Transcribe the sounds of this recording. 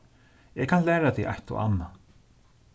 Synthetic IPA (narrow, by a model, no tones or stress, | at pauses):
ɛkʰanlæːɾat̪ʰɛʔa̰jht̪ɔ̰ʔa̰nːa